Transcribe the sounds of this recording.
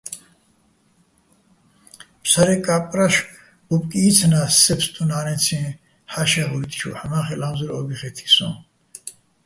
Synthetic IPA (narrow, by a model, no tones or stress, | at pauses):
psaɾɛkʼapʼɾaʃ | bupʼkʼiːt͡sʰnasɛpst̪ʼunaːnɛt͡sʰĩ | ħaʃɛʁuɾit̪ʰʼt͡ʃʰṵħamaχɛlamzuɾɔɡiχɛt̪ʰi̥sɔ̰m